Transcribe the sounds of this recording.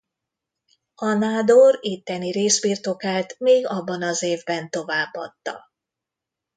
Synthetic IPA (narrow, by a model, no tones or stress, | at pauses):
ɒnaːd̪orit̪ːɛniɾeːsbiːrt̪o̞kaːlt̪meːɡɒbːɒnɒzeːvbɛnt̪o̞vaːbːɒ̰t̪ːɒ̰